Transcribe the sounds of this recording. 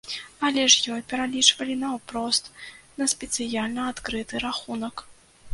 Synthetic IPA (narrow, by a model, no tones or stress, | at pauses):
ɐlʲɛʂjɔjpʲɛɾalʲit͡ʂvɐlʲinɐwpɾɔst̪nɐspʲɛt̪sɨjalʲnɐat̪kɾɨt̪ɨɾaxunɐk